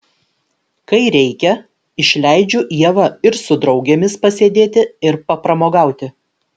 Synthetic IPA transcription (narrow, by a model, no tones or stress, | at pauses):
kɐɪɾʲɛɪkʲɛ | ɪʃʲlʲæɪd͡ʒʲʊʔiɛʋɐɪɾsʊd̪ɾɒʊɡʲemʲɪspɐsʲeːd̪ʲeːt̪ʲɪɪɾpɐpɾɐmoːɡɑˑʊt̪ʲɪ